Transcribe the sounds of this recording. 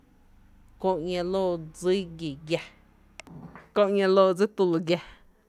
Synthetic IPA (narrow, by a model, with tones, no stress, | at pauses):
kõ˧ʔŋã˧loː˧˨d͡zi˦ɡi˨ɡja˧ | kõ˧ʔɲã˧loː˧˨d͡zi˦t̪u˧lo˧ɡja˧